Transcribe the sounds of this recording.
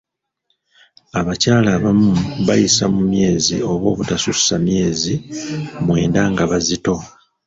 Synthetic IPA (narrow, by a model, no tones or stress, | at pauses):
aβacaːlaːβamuβajisamumje̞ːzio̞βwo̞̰ːβutasussamje̞ːzimwe̞ːndaŋɡaβazito̞